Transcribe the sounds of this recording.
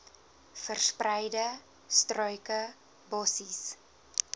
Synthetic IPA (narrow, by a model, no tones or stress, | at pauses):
fərsprɛjdə | strœɥkə | bɔsis